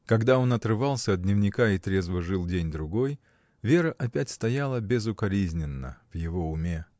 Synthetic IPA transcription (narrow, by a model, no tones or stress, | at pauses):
kɐɡd̪ao̞nɐt̪rɨvɑlˠsʲəːd̪nʲɪvnʲɪkait̪ɾʲezvəʐɨlˠdʲenʲd̪ɾʊɡo̞j | vʲe̞ɾəʔɐpʲætʲst̪ɐjalˠəbʲɪzʊkɐɾʲizʲnʲɪnːə̰v̥jɪvo̞ʊmʲe